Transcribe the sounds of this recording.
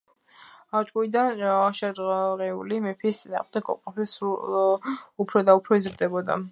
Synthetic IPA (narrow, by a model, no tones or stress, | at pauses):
at͡ʃʼkʼuid̪anaʃaɾʁɛṵlimɛpʰiːst̪sʼina̰ːʁmd̪ɛkʰɔ̰pqʼɔpʰɛsu | upʰɾɔd̪aupʰɾɔizɾd̪ɛbɔd̪a̰